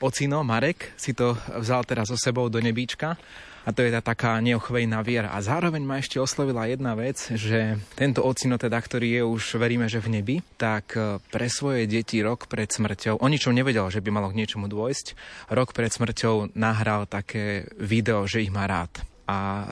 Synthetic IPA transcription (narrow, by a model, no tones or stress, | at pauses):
ɔt͡sinɔmaɾɛksit̪ɔvzalt̪ɛdazɔsɛbɔʊd̪ɔɲɛbiːt͡ʃka | at̪ɔjɛt̪at̪akaːɲɛɔxʋɛjnaʋɪɛɾa̰ʔa̰zaːɾɔʋɛɲmaɛʃcɛɔslɔʋilajɛd̪̚naʋɛd͡zʒɛt̪ɛnt̪ɔɔt͡sinɔt̪ɛd̪akt̪ɔɾiːjɛuʒʋɛɾiːmɛʒɛvɲɛbit̪akpɾɛsʋɔjɛɟɛciɾɔkpɾɛt̪smr̩cɔʊʔɔɲit͡ʃɔʊɲɛʋɛɟɛlʒɛbimalɔɡɲɪɛt͡ʃɔmud̪ʊɔjscɾɔkpɾɛt̪smr̩cɔʊnaɦɾalt̪akʰɛːʋid̪ɛɔʒɛiɣmaːɾa̰ːt̪ʔa